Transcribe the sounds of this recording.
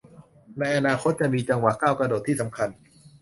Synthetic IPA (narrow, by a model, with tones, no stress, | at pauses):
na˧jʔa˧naː˧xʰo˦˥t̪̚t͡ɕa˨˩miː˧t͡ɕa˧ŋwaː˩˦kaː˥˩wkɾa˧doː˨˩t̪ʰːiː˥˩sa˩˦mkʰa˧n